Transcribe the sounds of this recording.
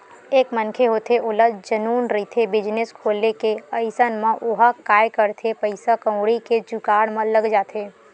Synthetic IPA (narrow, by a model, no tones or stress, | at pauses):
eːkmənkʰeɦoːt̪ʰeʊləd͡ʒənuːnɾit̪ʰebɪd͡ʒnɪskʰoːlːekeəɪsənmãʔʊɦakaːjkəɾt̪ʰepəɪsakə̃wɽiked͡ʒʊkaːɽmãləɡd͡ʒaːt̪ʰeː